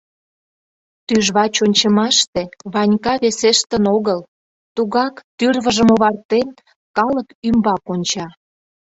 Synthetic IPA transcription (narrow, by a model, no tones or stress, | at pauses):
t̪yʒβɑt͡ɕonʲt͡ɕə̆mɑʃt̪eβɑnʲkɑβeseʃt̪ənoɣəl | t̪uɣɑkt̪yrβəʒəmoβɑrt̪en | kɑləkymbɑkonʲt͡ɕɑ